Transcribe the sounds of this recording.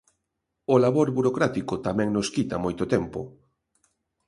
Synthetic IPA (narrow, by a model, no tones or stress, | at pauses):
olaβoɾβuɾokɾat̪ikot̪amɛ̃ŋnoskit̪amojt̪ot̪ɛmpo̰